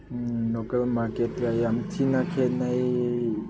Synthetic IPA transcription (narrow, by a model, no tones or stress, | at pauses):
lokəlmaɾkeʈajamt͡ʃʰinakʰenaj